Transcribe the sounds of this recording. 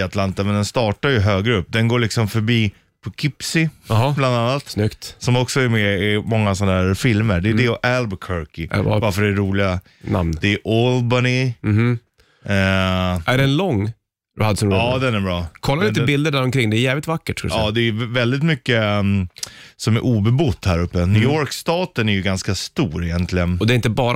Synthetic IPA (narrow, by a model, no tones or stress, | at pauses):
at̪lant̪amɛnd̪ɛnst̪ɑːʈaɾjɵɦøːɡɾɵpːd̪ɛnɡoːɭɪksɔmfœɾbiː | pʰɔkʰɪpsɪɦbland̪anːat̪snʏkt̪sɔmɔksɔæɾmɛɪmɔŋːasɔnːaɦæːɾfɪlməɖɛjd̪ɛʔɛlbkʰœɾkɪ̰vaɾfœɖɛɾuːlɪɡa | na̰mnd̪ɛːʔɔlbanɪ | ɛʔæɖɛnlɔŋː | d̪ɵhad̪əsɔnɾɑːd̪ɛnæɾbɾɑːkʰɔlːaɾɪbɪld̪əɖæɾɔmkʰɾɪŋːd̪ɛːɾjɛːvlɪt̪vakːəʈska̰l̰ɑːd̪ɛæjɵvɛld̪ɪt̪mʏkːə | sɔmæɾʔuːbɛbʊt̪ːhæɾɵpːənyːɔɾkst̪ɑːt̪ənæɾjɵɡanskast̪uːɾɪjɛnt̪ʰlɪɡənɔd̪ɛɾɪnt̪əbɑːɾ